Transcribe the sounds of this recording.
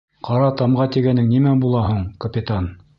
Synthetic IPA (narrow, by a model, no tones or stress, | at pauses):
qɑɾɑt̪ɑmʁɑt̪iɡænɘŋnimæbulˠɑɦuɴkɐpʲɪt̪an